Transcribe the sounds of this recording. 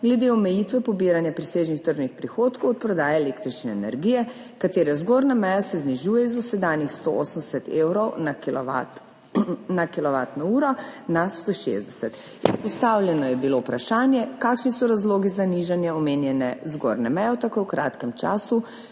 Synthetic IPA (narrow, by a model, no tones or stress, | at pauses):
ɡlɛd̪eɔmɛjit̪ʋɛpɔbiːɾanjapɾiseːʒnixt̪əɾʒnixpɾixoːt̪kowɔt̪̚pɾɔd̪aːjaelekt̪ɾit͡ʃnɛːnɛ̰ɾɡijɛ | kat̪eːɾɛzɡoːɾnamɛjasɛzniʒuːjɛizusɛd̪aːnjixst̪ooːsənd̪ɛsɛt̪ewɾɔwnaklat | nakilɔʋaːt̪nɔuːɾɔnast̪oːʃḛzd̪ɛsɛt̪ | ispɔst̪aːwlʲjɛnɔjɛbilowpɾaʃaːnjɛkaːkʃnisɔɾazloːɡizaniʒanjɛɔmeːnjɛnɛ̰zɡo̰ɾnɛmɛjɔt̪akowkɾa̰ːt̪kɛmt͡ʃa̰ːsu